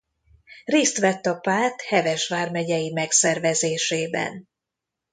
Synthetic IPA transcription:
reːst̪ʋɛt̪ːɒpaːt̪hɛvɛʃʋaːrmɛɟɛjimɛksɛrvɛzeːʃeːbɛ̰n

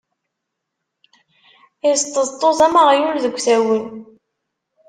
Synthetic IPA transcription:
ɪst̪ˤːəðˤt̪ˤːoðɑməʁjulðəɡʷːθæwən

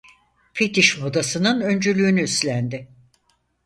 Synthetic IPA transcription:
pet̪iʃmod̪asɯnɯnø̞nd͡ʒylʲyːnyːslʲænd̪ɪ

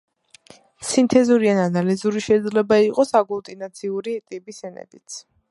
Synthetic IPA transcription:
sint̪ʰɛzuɾiananalizuɾiʃɛid̪zlɛbaiqʼɔsaɡulˠt̪ʼinat̪sʰiuɾit̪ʼipʼisɛnɛ̰d̪ʼit̪s

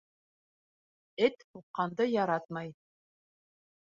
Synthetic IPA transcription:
ɘt̪huqːɑnd̪ɤjɑɾɑt̪mɑj

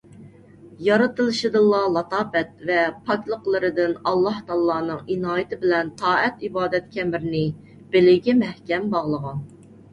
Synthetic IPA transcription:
jɑɾɨt̪ɨlˠɨʃɨd̪ɨlˠːɑlˠɑt̪ʰɑːpɛt̪̚vɛpʰɑkʲlˠəqlˠɨɾɨd̪ɪnɑlˠːɑht̪ʰɑːlˠɑːnɨŋinɑːjɪt̪ʰɪbɪlɛnt̪ʰɑːɛt̪ibɑːd̪ɛt̪̚kʲʰɛmɪɾɪnɪ | b̥ɪlɪɡʲɛmɛhkʲɛmbɑʁlˠəʁɑn

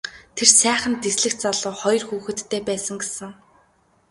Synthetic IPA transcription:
t̪ʰersæːχə̆nt̪esɮɘ̆xt͡saɮʊːχɔj̆rxuːxɘ̆t̪ʰːeːpæːsə̆ŋɡesə̆ŋ

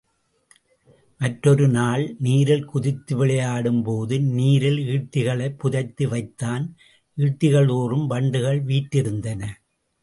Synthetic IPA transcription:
mɐʈɾɔɾɯnaːɭniːɾɪlkʊðɪt̪ːɯʋɪɭɐjaːɽɯmpoːðɯniːɾɪliːʈːɪɣɐɭɐɪpːʊðɐɪt̪ːɯʋɐɪt̪ːaːn | ʔiːʈːɪɣɐɭoːrɯmʋɐɳɖɯɣɐɭʋiːʈːɪɾɯnd̪ɐnɐ

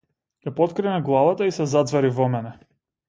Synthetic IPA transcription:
japɔt̪kɾɛnɛɡlˠavat̪aisɛzad̪zvɛɾivɔmɛnɛ

